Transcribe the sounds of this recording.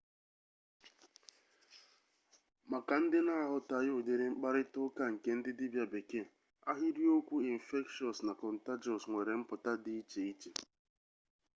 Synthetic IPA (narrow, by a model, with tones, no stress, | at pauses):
ma˨ka˨n̩˦dɪ˦na˦˨ɦʊ˨ta˨jʊ˦˨de˨ɾe˦ŋ͡m̩˦k͡pa˦ɾɪ˦tʊ˦ka˦ŋ̩˨ke˦n̩˦dɪ˦dɪ˦bja˨be˨ke˦˨ | a˦ɦi˦ɾi˦o˦kʷu˦i˨n̩˨fe˦kʃɔ˨sna˨kɔ˨n̩˨ta˦d͡ʒɔ˨sŋʷe˨ɾe˨m̩˦pʊ˨ta˦dɪ˦i˦t͡ʃe˨i˦t͡ʃe˨